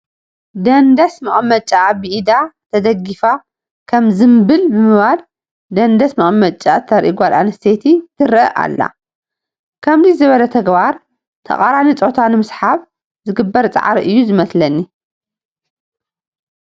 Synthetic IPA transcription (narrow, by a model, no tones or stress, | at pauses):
d̪ɐnd̪ɐsmɨχʼmɐt͡ʃʼːaβɨʔid̪at̪ʰɐd̪ɐɡifa | kʰɐmzɨmbɨlbɨmɨβal | d̪ɐnd̪ɐsmɨχʼmɐt͡ʃʼːat̪ʰɐɾʔḭɡʷala̰nɐst̪ʰet̪ʰit̪ʰɨɾɐʔa̰lːa̰ | kʰɐmd̪izɨβɐlɐt̪ʰɐɡbaɾ | t̪ʰɐ̰χʼaɾanit͡sʼot̪ʰanɨmɨsħaβ | zɨɡɨbːɐɾt͡sʼa̰ʕaɾiʔɨjːuzɨmɐslɐnːi